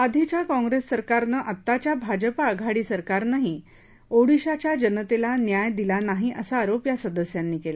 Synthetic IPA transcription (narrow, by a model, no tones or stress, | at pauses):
ad̪ʱit͡ɕjakɔ̃ŋɡɾesːəɾkaɾnəʔət̪ːat͡ɕjabʱad͡ʑəpaəɡʱaɽiːsəɾkaɾnaɦi | oɽiɕat͡ɕjad͡ʑənət̪elanjajd̪ilanaɦiʔəsaːɾopjasəd̪əsjanːiːkela